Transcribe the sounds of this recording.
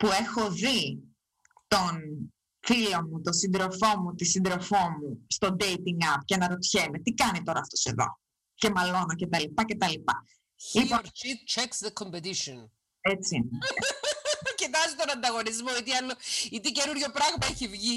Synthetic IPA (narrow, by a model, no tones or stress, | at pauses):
pue̞xo̞ði | t̪o̞n | filo̞mut̪o̞sind̪ɾo̞fo̞mut̪isind̪ɾo̞fo̞must̪o̞d̪ejt̪iŋɡɐpcenɐɾo̞t̪çe̞met̪ikɐnit̪o̞ɾɐːft̪o̞se̞ðo̞̰ | ce̞mɐlo̞noce̞t̪ɐlipɐce̞t̪ɐlipɐ̰ | lioɾt͡ʃit̪̚t͡ʃeksðekʰompet̪iʃon | et͡si | cit̪ɐzit̪onɐnd̪ɐɣo̞nizmoit̪iɐlːoit̪ice̞nuɾʝo̞pɾɐɣmɐeçivʝi